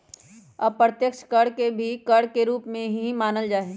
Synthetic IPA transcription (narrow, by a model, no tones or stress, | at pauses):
ɔbpɾət̪jəkʃkɐɽkebʱikɐɽkeɾuːpmẽɦiɦimaːnəld͡ʒaːeː